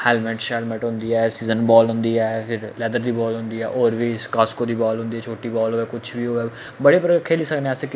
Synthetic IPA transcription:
hɛːlmɛːʈʃɛːlmɛːʈɦʊ̃nd̪iːɛːsiːzənbɔːlɦʊ̃nd̪iːɛːpʰɪɾlɛːd̪əɾd̪iːbɔːlɦʊ̃nd̪iːɛːʔɔːɾʋiːskaskoːd̪iːbɔːlɦʊ̃nd̪iːɛːt͡ʃʰoːʈiːbɔːlɦoːɛːkʊt͡ʃʰbiːɦoːɛː | bəɽeːpəɾəkʰːeːliːsəknesek

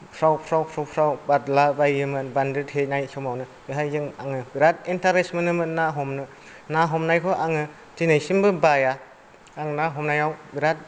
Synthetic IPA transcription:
pʰɾawpʰɾawpʰɾawpʰɾawbadlabajɯmɯbandɯtɦenajsɔmawnɯbɯɦajzɯŋaŋɯbiɾat̚entaɾesmɯnɯmɯnaɦɔmnɯ | naɦɔmnajkʰɔʔaŋɯ | tinajsimbɯbaja | aŋnaɦɔmnajawbiɾat̚

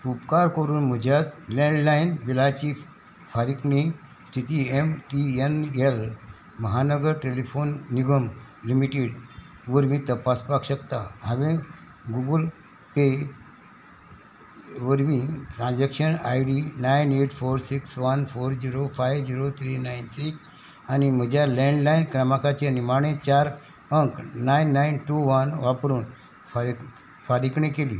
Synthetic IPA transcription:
upkaɾkəɾuːnm̤əd͡ʑʱjat̪leɳɖlainbilat͡ɕi | fʰaɾikmi | st̪ʰit̪iemʈienel | məɦanəɡəɾʈelifonːiɡəm | limiʈiɽ | ʋəɾmĩːt̪əpaspakɕəkt̪aɦaʋẽ | ɡuɡəl | pe | ʋəɾmiːʈɾãnd͡zakɕənajɽinajneʈfoɾsiksʋənfoɾd͡ʑiɾofajʋd͡ʑiɾot̪ʰɾinainsiks | anim̤əd͡ʑjalɛ̃ɳɖlajnkɾəmakat͡ɕeanimaɳ̃ẽt͡ɕaɾ | əŋknajnːainʈuʋənʋapɾuːn | f | faɾikɳẽkelḭː

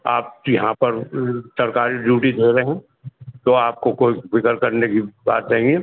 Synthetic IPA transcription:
aːp̚jɐɦãpɐɾsɐɾkaːɾid͡ʒuːʈid̪ʱeːɾeɦɛ̃ | t̪oaːp̚kokoːifɪkəɾkɐɾnekiba̰ːt̪̚t͡ʃaɦẽŋɡeː

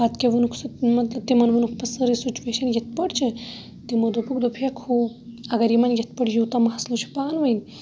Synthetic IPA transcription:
at̪kʲeʋunukʰsɨmɐt̪lɐb̚t̪imɐnʋunukʰpɐsɐɾisit͡ʃʋeʃɐnjet̪̚pəɽt͡ʃʰe | t̪imod̪opukd̪opʰijɐkʰuːɐɡɐɾjimɐnjɐt̪̚pəɽjut̪amaɦɐslut͡ʃʰi̥paːnʋɐjn

